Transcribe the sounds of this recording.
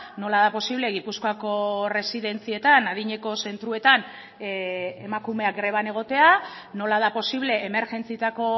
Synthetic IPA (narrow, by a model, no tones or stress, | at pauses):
no̞laðapo̞siβle̞ɣipuskoako̞re̞siðe̞nt͡sie̞t̪anaðiɲe̞ko̞se̞nt̪ɾue̞t̪an | emakume̞akɡɾe̞β̞ane̞ɣ̞o̞t̪e̞a | no̞laðapo̞siβle̞ʔːme̞ɾʝe̞nt͡sit̪ako̞